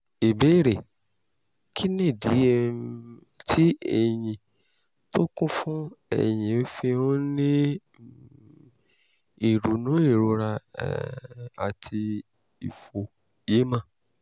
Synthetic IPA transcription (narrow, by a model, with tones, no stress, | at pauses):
e˨be˦˨ɾe˨ | kʰi˦nẽ˦˨di˨˦˧ | tʰi˦ɛ̰˨j̃ĩ˨ | to˦kũ˦fũ˦ɛ̰˨j̃ĩ˨o˨˦fi˧õ˦nĩ˦ | i˨ɾu˨nũ˨˦e˦˨ɾo˧˦ɾa̰˧ | a̰˨tʰi˧ | i˨fo˨ | je˨˦mã˦˨